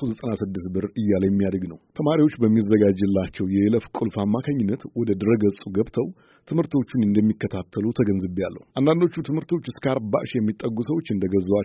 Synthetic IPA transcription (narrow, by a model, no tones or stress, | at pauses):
tuzət̪ʼənasɨd̪ːɨsbɨɾɨjːaljɛmːijad̪əɡnəwt̪ʰəmaɾiwo̞t͡ʃːbəmːizəɡad͡ʒɨlːat͡ʃːɛwjɛləfkʼulfamːakʰaɲːɪnːət̪wɔd̪əd̪ɨɾəɡəsʼuɡəβt̪ʰəw | t̪ʰɨmhɨɾt̪ʰo̞t͡ʃːɪnɨnd̪əmːikːət̪ʰat̪ʰːəlut̪ʰəɡənzɨbja̰lːə̰hʔand̪and̪o̞t͡ʃːut̪ʰɨmhɨɾt̪ʰot͡ʃːɨskəaɾba̰ʃjɛmːit̪ʼːəɡːusəwo̞t͡ʃːɨnd̪əɡəza